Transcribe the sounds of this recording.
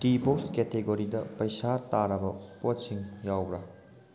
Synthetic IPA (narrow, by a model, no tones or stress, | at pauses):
tipopsketeɡoɾidɐpɐjsataɾɐbɐpotsiŋjawɾɐ